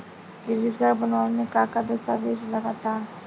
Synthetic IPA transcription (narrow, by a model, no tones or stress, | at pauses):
ɡɪɾd͡ʒiɾɡaɾbənʋanmẽkakad̪əst̪abʱeːd͡ʒlɐɡat̪aː